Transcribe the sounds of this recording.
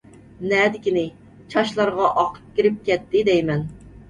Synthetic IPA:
nɛd̪ɪkʲinɪ | t͡ʃʰɑʃlˠɑɾʁɑʔɑqʰə̥p̚kʲiɾɪp̚kʲɛt̪ʰːɪd̪ɛjmɛn

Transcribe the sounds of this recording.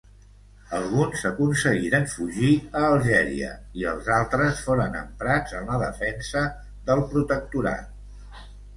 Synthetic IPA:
əlˠɣunzəkunsəɣiɾənfuʒiəːlˠʒɛɾḭə̰iəlˠzalˠt̪ɾəsfoɾənə̰mpɾad͡zənləðəfɛnsə | ðəlˠpɾut̪ək̚t̪uɾa̰t̪̚

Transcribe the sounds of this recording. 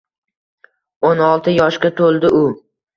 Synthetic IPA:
onɒlˠt̪ʰɪjɒʃkʲat̪ʰolˠd̪ɪʊ

